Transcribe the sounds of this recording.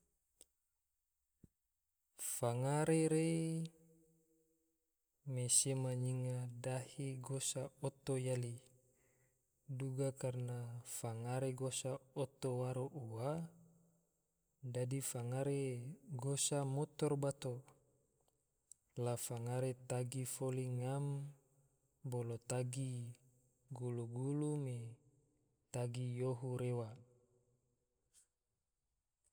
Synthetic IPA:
faŋaɾeɾe | mesemaɲiŋadahiɡosaot̪ojali | duɡakarnafaŋaɾeɡosaot̪owaɾoʔuwa | dadifaŋaɾeɡosamot̪ɔrbat̪o | lafaŋaɾet̪aɡifoliŋam | bolot̪aɡi | ɡuluɡulume | t̪aɡijoɦuɾewa

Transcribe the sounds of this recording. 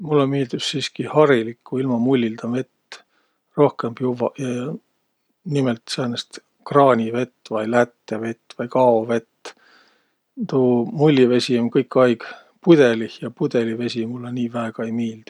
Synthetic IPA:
mulːemiːld̪̥ussiːskihɑɾilikːuilmɑmulʲːild̪ɑme̞t̪ː | ro̞hke̞mb̥juvɑ̰ɑ | nimelt̪seːnest̪ | krɑːnʲive̞t̪ːvɑjlæt̪ːˑeve̞t̪ːvɑjkɑove̞t̪ː | t̪uːmulʲːive̞sʲiomnkɤjkːɑjɡ̥ | pud̪̥e̞lihjɑpud̪̥e̞live̞sʲimulːeniːvæeɡ̥ɑejmiːld̪̥i̥

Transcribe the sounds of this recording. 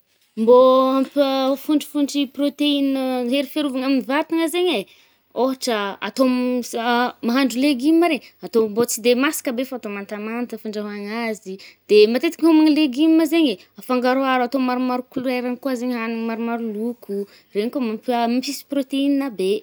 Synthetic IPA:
mboampəfuɳɖ͡ʐi̥fuɳɖ͡ʐiprot̪einəɦeɾifeɾuvaŋaminivat̪iŋəzeɲe | oɦaʈ͡ʂəa̰t̪om | maɦaɳɖ͡ʐuleɡimːaɾeɲat̪ombot͡sid̪emasi̥kəbefat̪omant̪amant̪əfuɳɖ͡ʐaɦaŋazid̪̥emat̪et̪i̥kʲɦomaŋileɡimːəzeɲe | afaŋɡaɾuaɾat̪omaɾumaɾukuluajɾaŋkwazeɲɦanimaɾumaɾulukʰu | reɲikomampmiisi̥prot̪eininabe

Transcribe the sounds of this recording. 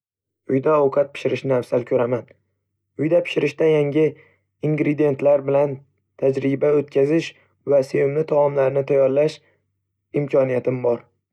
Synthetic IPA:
ʊjd̪aɒwqʰɑt̪̚pʰɪ̥ʃɪɾɪʃnɪafsalkʰɵɾaman | ʊjd̪apʰɪ̥ʃɪɾɪʃt̪ajaŋʲɪ | iŋɡɾɪd̪ije̞nt̪laɾbɪlan | t̪ʰad͡ʒɾɪbaot̪kʲʰazɪʃ | vasevɪmnɪt̪ʰɒɒmlaɾnɪt̪ʰajɒɾlaʃ | ɪmkʲʰɒnijat̪ʰɪmbɒɾ

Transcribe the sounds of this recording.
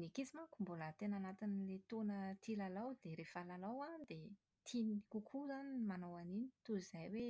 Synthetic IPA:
nikit͡simakumbolət̪enanat̪inilet̪onət̪ʰilalawd̪eɾefalalawand̪e | t̪ʰinikukʰuzanimanawanini̥t̪uiz̥ajwe

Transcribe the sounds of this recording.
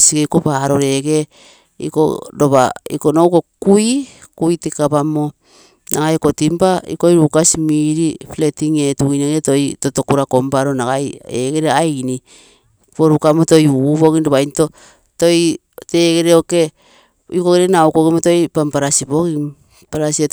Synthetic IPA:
siɡejko̞paɾo̞ɾe̞ɡe̞ | ḭko̰doβa̰ḭko̞nowko̞kujkujtikapamo | naɡajko̞timpaḭko̞jɾukasimiɾipletiŋe̞tuineketo̞jto̞to̞kuɾako̞mpaɾonaɡajeɡe̞ɾeajni | poɾukamoto̞juuβo̞ɡindoβajnto̞ | to̞j | te̞ːɡe̞ɾeoke̞ | ikoɡeɾenawkoɡimoto̞jpampaɾasiboɡi | paɾasie

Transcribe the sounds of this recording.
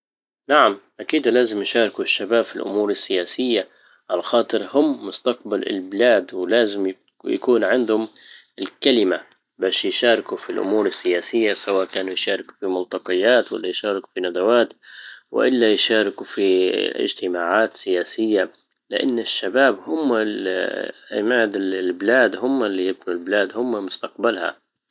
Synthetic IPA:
naʕamʔakiːd̪laːzɪmjʃɑːɾˤkuʃːabaːbfilʔʊ̰muːɾɪsːɪjaːsɪjːa | ʕalaxɑːt̪ˤɨɾhʊmːʊst̪ɑq̚balɪ̰lbɪlaːd̪wɪlaːzɪmj | ja̰kuːnʕɪnd̪hʊm | ɪlkalɪma | baːʃjʃaːɾɪkufilʔʊ̰muːɾɪsːɪjaːsɪjːasawaːʔkaːnujʃaːɾˤɪku̥fimʊnt̪ˤɑqɨjːaːt̪wa̰lːajʃaːɾɪku̥finad̪awaːt̪wɪ̰ʔɪlːajɪʃaːɾɪkufiɪ̰d͡ʒt̪ɪmaːʕaːt̪sɪjaːsɪjːa | lɪʔa̰nːɪʃːabaːbhʊmːalʔa̰maːd̪ɪbɪlaːd̪hʊmːalːijɪb̚nulbɪlaːd̪hʊmːamʊst̪aqbalha̰

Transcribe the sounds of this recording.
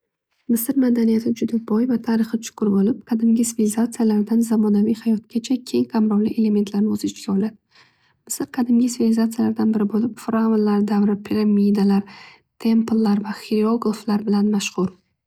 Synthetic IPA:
mɪsɪɾmad̪anijat̪ʰɪd͡ʒʊd̪abɒjvat̪ʰaɾɨχɪt͡ʃʰʊ̥kʰʊɾbolɪp̚qʰɑd̪ɪmɡʲɪsɪvilizat̪sɨijalaɾd̪anzamɒnavijhajɒt̪̚ɡʲat͡ʃʰakʲʰe̞ŋqʰamɾɒwlḭʔe̞le̞me̞nt̪ʰlaɾnɪɵzɪɪt͡ʃkʲaɔlad̪ɪ | mɪsɪɾqʰɑd̪ɪmɡʲɪsvilizat̪sɨjalaɾd̪anbɪɾɪbolɪpfɾavlːaɾd̪avɾɪpʰiɾamid̪alaɾ | t̪ʰe̞mplˠːaɾvaχiɾioɡlˠflaɾbɪlanmaʃχʊɾ

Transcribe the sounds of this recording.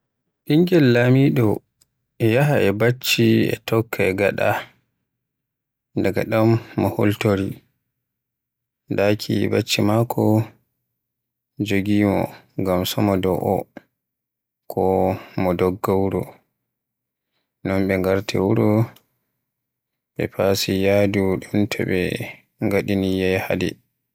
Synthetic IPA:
ʔiŋɡɛlːamiɗɔ | jaɦaɛbat͡ʃːiɛ̰tɔkʰːaɛɡaɗa̰ | daɡa̰ɗamːɔho̰ltoɾi | dakʰḭbat͡ʃːimakʰɔ | d͡ʒoɡiːmɔ̰ɡamsɔmɔdɔʔɔ | kʰɔmɔdɔɡːawuɾɔ | nɔmɓɛŋɡaɾtʰɛwuɾɔ | ɓɛ̰pʰasijaduɗumtʰɛ̰ɓɛ | ŋɡaɗinijɛjha̰dɛ̰

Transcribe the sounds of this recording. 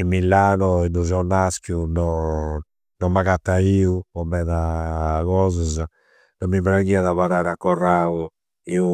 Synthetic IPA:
imːilːanɔinduzɔnːaskjunɔ | nɔmːaɣat̪ːaiuɔmɛðaɣɔːzaza | nɔmːimbɾaɣiaðaβaɾaɾakːɔrau | iu

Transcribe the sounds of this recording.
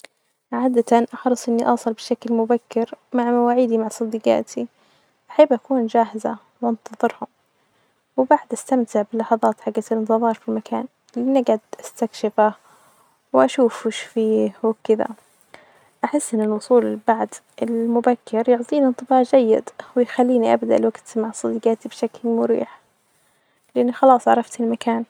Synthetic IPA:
ʕaːd̪at̪anʔɑħɾˤɨsˤʔɪnːiʔɑːsˤɨlbɪʃaklmʊbakːɪɾmaʕmawaːʕiːd̪imaʕsˤɑd̪ːiːqɑ̰ːt̪ʰi | ʔaħɪbʔakuːnd͡ʒaːɦɪza | wʔɑnt̪ɑðˤɨɾhʊm | wɪbaʕd̪ʔast̪amt̪ɪʕbɪlːɑħɑðˤɑːt̪ħaɡːalɪnt̪ɨðˤɑːɾˤfilmakaːn | lʔɪnaɡʕad̪ʔast̪akʃɪfa | wʔaʃuːfʃfiːhwɪkɪða̰ | ʔaħɪsːʔɪnːɪlwʊsˤuːlɪbaʕd̪ | ɪlmʊbakʰːɪɾjʊʕt̪ˤiːnɪnt̪ˤɨbɑːʕd͡ʒajːɪ̰d̪wɪjxalːiːniʔa̰bd̪aʔlwaɡt̪maʕsˤɑd̪iːqat̪ibʃaklmʊɾḭːħ | lɪʔanːixɑlɑːsˤʕɑ̰ɾˤɑft̪ɪlmakaːn

